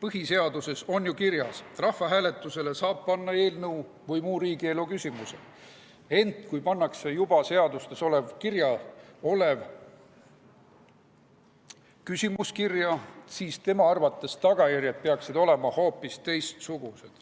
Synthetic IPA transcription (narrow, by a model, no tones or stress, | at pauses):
pɤɦise̞ɑd̪use̞so̞njukirjɑsrɑhvɑɦæːle̞t̪ːˑuse̞le̞sɑːb̥̚pɑnːɑe̞ːlnəw | vɤjmuːɾiːɡielukysʲimuse̞̰ | e̞nt̪kujpɑnːɑkse̞jub̥ɑse̞ɑd̪ust̪e̞so̞le̞vkirjɑo̞le̞v | kysimuskirjɑsiːst̪e̞mɑɑrvɑt̪ːˑe̞st̪ɑɡ̥ɑjærjɑd̪̚pe̞ɑksid̪̥o̞le̞mɑho̞ːpːˑist̪e̞jst̪suɡ̥use̞d̪̥